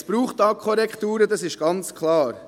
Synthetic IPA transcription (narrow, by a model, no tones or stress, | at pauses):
sb̥ɾuːχtːɑkʰχoɾɛkχtuːɾədɑsɪʃɡ̥ɑnt͡skʰlɑːɾ